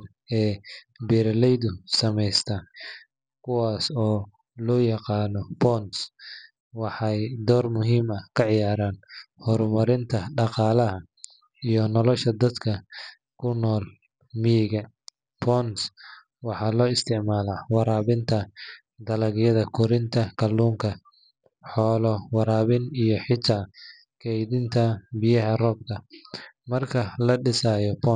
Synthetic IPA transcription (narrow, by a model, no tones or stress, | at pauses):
ɛːbɛːɾlɛjðʊsɐmɛjst̪ʰɐ | kʰʊwaːsɔː | lɔːjɑqɑːnɔbɔns | wɑħɑjd̪ɔːrmʊɦiːmɐkʰɐʕɪjaːɾaːnhɔɾmɐɾɪnt̪ʰɐɖɑqɑːlɐɦɐ | ijɔnɔlɔʃɐd̪ɐd̪kʰɐ | kʰʊnɔːl | mɪjɪɣɐ | pʰɔns | wɑħɑːlɔːɪst̪ʰɪʕmaːlaːwɑɾaːβɪnt̪ʰɐ | d̪ɐlɐɣjɐðɐkʰʊɾɪnt̪ʰɐkʰɐlːuːŋkʰɐ | ħɔːlɔwɑɾaːβɪnijɔħɪt̪ʰaː | kʰɛjðɪnt̪ʰɐbɪjɐɦɐrɔːb̚k̪ʰɐmɐrkʰɐlɐɖɪsaːjɔbʰɔ